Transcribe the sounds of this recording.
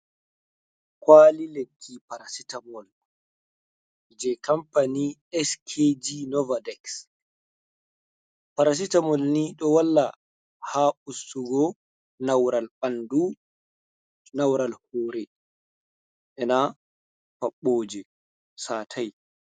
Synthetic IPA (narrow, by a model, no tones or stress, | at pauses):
kwaːlilekʰːipaɾasitamɔl | d͡ʒɛkampaniɛskʰed͡ʒinɔvadɛks | paɾas̬itamɔlniɗɔwalːa | haːʔusuɡɔ | nawɾalɓandu | nawɾalhɔːɾɛ | ʔɛna | paɓːoːd͡ʒɛ | saːtʰaj